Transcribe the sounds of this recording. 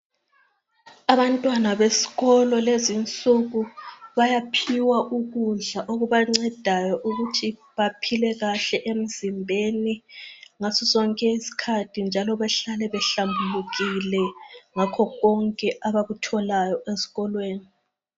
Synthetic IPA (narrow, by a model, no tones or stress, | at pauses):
aβantʼwanaβesi̥ɣɔlɔlezint͡sʼuɣuβajapʰiwaʔuɣuɮaʔoɣuβaŋ͡ǀɛd̥ʱajɔʔuɣutʰiβapʰilɛɣaɬɛʔem̩zimbʱeniŋasɔsɔŋkʼɛisi̥kʰatʰind͡ʒʱalɔβɛɬalɛβɛɬambʱuluɣilɛŋakʰɔɣɔŋkʼɛʔaβaɣutʰɔlajɔʔesi̥ɣɔlweːni